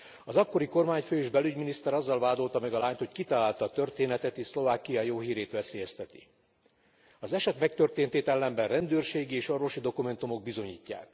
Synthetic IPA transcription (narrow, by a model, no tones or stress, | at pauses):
ɒzɒkːo̞ɾiko̞rmaːɲføːeːʒbɛlyɟminist̪ɛɾɒzːɒlvaːd̪o̞lt̪ɒmɛɡɒlaːɲt̪ho̞ckit̪ɒlaːlt̪ɒːt̪ø̞rt̪eːnɛt̪ɛt̪eːʃslo̞vaːkijɒjoːɦiːɾeːt̪ʋɛseːjɛst̪ɛt̪i̥̰ | ɒzɛʃɛt̪mɛk̚t̪ørt̪eːnt̪eːt̪ɛlːɛmbɛnrɛnd̪øːrʃeːɡieːʃo̞rvo̞ʃid̪o̞kumɛnt̪umo̞ɡ̚bizo̞ɲḭːcːa̰ːk